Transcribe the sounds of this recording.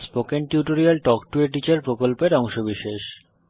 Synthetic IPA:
spokenʈjuʈoɾialʈɔkʈueʈ̬it͡ɕaɾpɾokolpeɾɔŋʃobiʃeʃ

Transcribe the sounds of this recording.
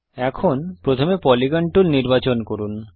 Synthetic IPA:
ɛkʰonpɾot̪ʰomepɔliɡaɳʈuɾniɾbat͡ɕonkoɾun

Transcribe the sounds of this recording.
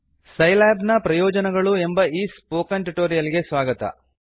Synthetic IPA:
sɐjlaːbnɐpɾɐjɔːd͡ʒɐnɐɡɐɭue̞mbɐiːspoːkɐɳʈuʈoːɾijɐliɡe̞sʋaːɡɐt̪ɐ̰

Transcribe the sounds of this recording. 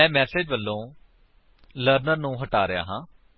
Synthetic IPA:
ɛ̃ːmɛːseːd͡ʒʋəlːõː | ləɾnəɾnũːɦəʈaːɾɪja̰ːɦãː

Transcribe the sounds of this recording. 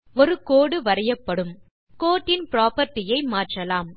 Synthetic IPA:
ɔɾɯkoːɽɯʋɐɾɐjɐpːɐɽɯm | koːʈːɪnpɪɾaːpɐɾʈːɪjɐɪmaːʈrɐlaːm

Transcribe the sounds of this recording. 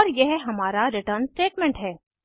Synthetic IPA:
ɔːɾjɛɦɦɐmaːɾaɾɪʈəɾnsʈeːʈmɛ̃ɳʈɦɛː

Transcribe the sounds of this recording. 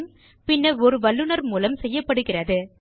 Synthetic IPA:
m | pɪnːɐɔɾɯʋɐɭːɯnɐɾmuːlɐmsɛjːɐpːɐɽɯɣɪrɐðɯ

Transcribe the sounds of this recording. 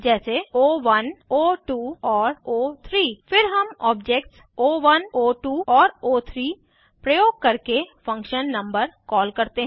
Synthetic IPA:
d͡ʒɛːseoːʋɐnoːʈuːɔːɾoːt̪ʰɾiːfɪɾɦɐmɔːb̚d͡ʒeːk̚ʈs | oːʋɐnoːʈuːɔːɾoːt̪ʰɾiː | pɾəjoːɡ̚kɐɾkefɐ̃ŋkʃənːɐ̃mbəɾkɔːlkɐɾt̪eɦ

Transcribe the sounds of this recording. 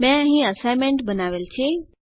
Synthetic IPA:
mɛ̃ɦĩəsajmẽɳʈbənaːʋelt͡ɕʰe

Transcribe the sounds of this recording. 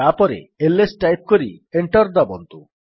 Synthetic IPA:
apɔɾḛelesʈajp̚koɾḭeɳʈɔɾd̪ɔbɔnt̪u

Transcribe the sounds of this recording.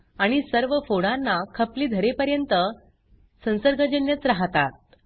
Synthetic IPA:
aɽ̃isəɾʋəfoɽãnːakʰəpliːd̪ʱəɾepəɾjənt̪ə | sə̃w̃səɾɡʱəd͡ʑənjət͡sɾaɦt̪at̪̚

